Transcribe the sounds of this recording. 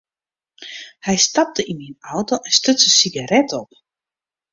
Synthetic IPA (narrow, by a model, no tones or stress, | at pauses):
hɛjstɑp̚təʔinminɔwtoʔɛnstøtsəsiɡaɾɛtɔp